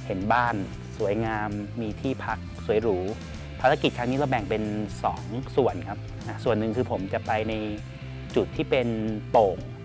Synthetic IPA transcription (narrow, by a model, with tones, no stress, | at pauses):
he˩˦nbaː˥˩n | su˩˦əjŋaː˧mːiː˧t̪ʰiː˥˩pʰa˦˥k̚su˩˦ə˦jɾuː˦˥ | pʰaː˧ɾa˦˥ki˨˩kʰa˦˥ni˦˥la˧wbɛ˨˩ŋpe˧nsɔː˩˦ŋsu˨˩ənkʰa˦˥p̚ | na˦˥su˨˩ənːɯ˨˩ŋkʰɯː˧pʰo˩˦mt͡ɕa˨˩pa˧jna˧j | t͡ɕu˨˩t̪ʰːiː˥˩pe˧nt̪oː˨˩ŋ